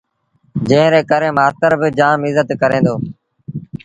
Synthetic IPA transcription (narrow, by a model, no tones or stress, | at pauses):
d͡ʒẽːɾeːkəɾẽːmaːst̪əɾbɪd͡ʒaːmɪzət̪kəɾẽːnd̪oː